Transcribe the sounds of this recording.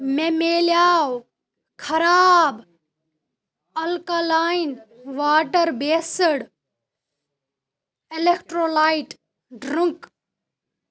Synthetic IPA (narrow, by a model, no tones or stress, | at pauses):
memeːljaːw | kʰɐɾaːb | ɐlkalaːinʋaːʈəɾbeːsəɽ | elek̚ʈɾoːlaːiʈ | ɖɾəŋk